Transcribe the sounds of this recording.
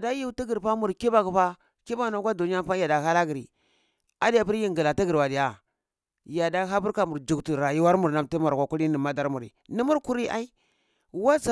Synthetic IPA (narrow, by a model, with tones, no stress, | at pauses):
da˦ji˦ti˦ɡi˨ɾpa˦mu˨ɾki˦ba˨kpa˦ | ki˦ba˦˨na˨˦kʷa˦do˨ni˦a˦pa˦ja˨da˨ha˦la˦ɡi˨ɾḭ˨ | a˦di˦ja˨pi˦ɾji˦ŋɡi˨la˨ti˦ɡi˨ɾwa˨di˨ja˨ | ja˨da˦ɦa˦bu˦ɾka˨mu˨ɾd͡ʒu˨ktu˨ɾa˨ji˦wa˦ɾmu˨ɾna˦mti˦ma˨ɾkʷa˨ku˦li˦ni˨ma˦da˦ɾmu˨ɾḭ˨ni˦mu˦ɾku˦ɾi˦ʔa̰˦i˦ | wa˦t͡sa˨